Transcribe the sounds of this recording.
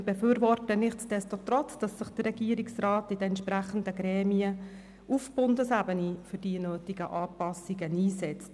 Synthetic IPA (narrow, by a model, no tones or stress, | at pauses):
b̥ɛfyːɾvɔrtənɪχtsd̥ɛstot̪rɔt͡sd̥ɑsːɪχd̥ərɛɡ̥iəɾiksraːtɪd̥ɛɛnt̪ʃpræχən̩dəɡɾɛːmiə | ufb̥ʊndəsæbənifʏrdiənøːtiɡəʔɑːpɑsiɡəniːsɛt͡st